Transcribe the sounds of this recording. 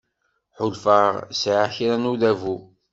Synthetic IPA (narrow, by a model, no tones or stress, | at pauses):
ħʊlfəʁsʕaçɾænuðævu